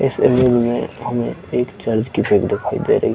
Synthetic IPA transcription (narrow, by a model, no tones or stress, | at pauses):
ɪsemelmḛ̃ɦɐmḛ̃eːkt͡ʃaːɾd͡ʒkibʱekd̪ɪkʰaːḭd̪ḛɾɐɦi